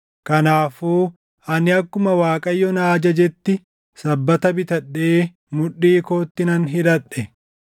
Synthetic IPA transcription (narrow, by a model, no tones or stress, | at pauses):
kɐnaːfuː | ʔɐnɪɐkːʊmɐwaːkʼɐjːɔnaːd͡ʒɐd͡ʒɛt̪ːɪ | sɐbːɐt̪ɐbɪt̪ɐɗːe̞ː | mʊᶑːiːko̞ːt̪ːɪnɐnɦɪd̪ɐᶑːɛ